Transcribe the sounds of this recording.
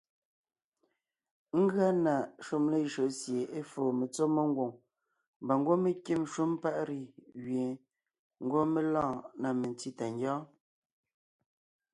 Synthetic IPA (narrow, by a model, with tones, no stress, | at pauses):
ŋ̩˦ɡɰa˦na˨ʃu˦mle˦˨ʒo˨sje˨e˦foː˨me˨t͡so˦me˦ŋ˦ɡwo˨ŋ | mba˨ŋ˦ɡwo˦me˦kje˦˨m˦ʃu˦m˦pa˦ʔɾi˨ɣɥje˨ | ŋ̩˦ɡwo˦me˦lãː˦˨na˨me˨nti˦ta˨ŋ˦ɡjɔ̃ː˦